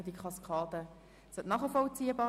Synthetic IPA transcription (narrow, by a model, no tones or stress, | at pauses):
ədikʰɑskʰɑːdə | sœtnɑχəfɔlt͡siːəbɑː